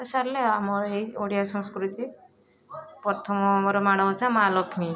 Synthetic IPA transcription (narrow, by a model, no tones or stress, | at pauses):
esaɾleamɔɾejoɽijasɔ̃ŋskɾut̪i | pɔɾt̪ʰɔmɔamɔɾɔmaɽ̃ɔbɔsamalɔkʰmi